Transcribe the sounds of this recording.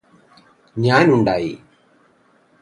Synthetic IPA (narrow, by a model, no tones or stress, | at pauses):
ɲaːnuɳɖaːjḭ